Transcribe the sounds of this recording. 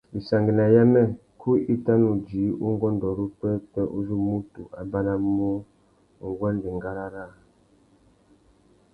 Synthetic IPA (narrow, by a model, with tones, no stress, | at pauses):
i˨sa˨ŋɡi˨na˨ja˦mɛ˦ | kʰu˦i˦ta˦nu˨d͡ʒi˨˦u˦ŋ˦ɡɔ˦n˨dɔ˨ɾu˦pɛ˦pɛ˦ʔu˦zu˦mu˦tu˨ʔa˨ba˦na˦mu˦˨ | ŋ˨ɡwɛ˦ndi˨ŋɡa˦ɾa˦ɾa˦˨